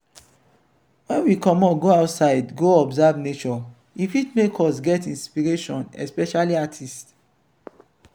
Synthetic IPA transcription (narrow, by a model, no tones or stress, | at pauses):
wɛ̃nwikɔ̃mɔɡoaʊtsaɪdɡoɔbzabnet͡ʃɔ | ifitmekʰɔsɡɛtĩnspiɹeʃɔ̃nɛ̰spɛʃaliatʰist